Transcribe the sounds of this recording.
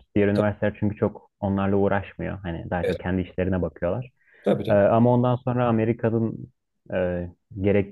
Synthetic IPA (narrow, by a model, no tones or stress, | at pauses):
d̪̥ijeɾynivæɾsit̪ʰːæɾt͡ʃʰyɲcyt͡ʃʰo̞k | o̞nlˠaɾlˠauːɾʔaʃmɯjo̞̰ɦanɪ̰d̪aɦat͡ʃʰo̞k̚cʰɛnd̪iiʃlʲe̞ɾinɛbakʰɯjo̞lˠaɾ̥ʰ | aɯːamao̞nd̪anso̞nɾaːme̞ɾikʰanɯn | ɛː | ɟe̞ɾɛc̚